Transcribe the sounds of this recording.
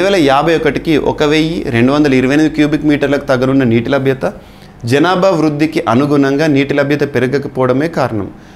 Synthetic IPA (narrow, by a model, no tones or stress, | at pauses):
ʋɛːlɐjaːbʱɐjɔkɐʈikiʔɔ̰kɐʋeːjiɾe̞ɳɖuʋɐnd̪ɐlɐiɾuʋɐjnɐːd̪kjuːbikmiːʈɐɾlɐku̥t̪ɐɡɐnunːɐniːʈilɐbʱjɐt̪ɐ | d͡ʒɐnaːbʱɐʋɾud̪ʱːikiʔɐnuɡunɐŋɡaːniːʈilɐbʱjɐt̪ɐpeɾɐɡɐkɐpɔːʋɐɽɐmeːkaːɾɐɳɐ̰m